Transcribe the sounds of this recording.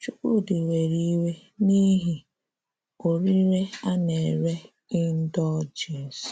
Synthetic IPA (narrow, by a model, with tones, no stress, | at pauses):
t͡ʃu˦ko˦˨dɪ˨we˨ɾi˦we˦ni˦ɦi˨ | o˨ɾi˦ɾe˦a˦ne˨ɾe˦ | ɪ˦n̩˦dɔ˦d͡ʒe˨s